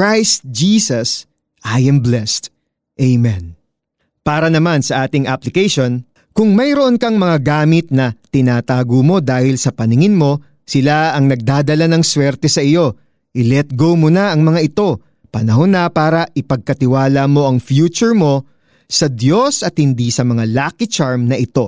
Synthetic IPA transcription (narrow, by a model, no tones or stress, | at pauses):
kɹajst̪̚d͡ʒiːsɐs | ʔajɐ̃mblɛst̪ | ʔejmɛ̃n | paːɾɐnɐmansɐʔaːt̪ɪŋʔaplɪkɛjʃo̞n | kʊŋmɐjɾo̞ʔo̞nkɐŋmɐŋaɡaːmɪt̪̚nɐt̪ɪnaːt̪aːɡomo̞d̪aːhɪlsɐpɐnɪŋɪnmo̞ | sɪlaɐŋnɐɡ̚d̪aːd̪ɐlanɐŋswɛɾt̪ɛsɐʔɪjo̞ | ʔɪlɛt̪̚ɡo̞wmonɐʔɐŋmɐŋaʔɪt̪o̞ | pɐnɐɦonɐpaːɾɐʔɪpɐɡ̚kɐt̪ɪwaːlɐmo̞ʔɐŋfjuːt͡ʃʊɹmo̞ | sɐd̪jo̞sʔɐt̪̚hɪnd̪isɐmɐŋalaːkɪt͡ʃaɹmnɐʔɪt̪o̞